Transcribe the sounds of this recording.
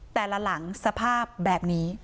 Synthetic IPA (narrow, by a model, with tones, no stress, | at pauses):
t̪ɛː˨˩la˧˥la˩˦ŋsa˧pʰaː˥˩p̚bɛː˨˩p̚niː˦˥